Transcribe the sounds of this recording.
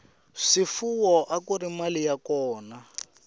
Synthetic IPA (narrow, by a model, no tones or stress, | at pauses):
ʂifuwɔʔakurimalijakɔːna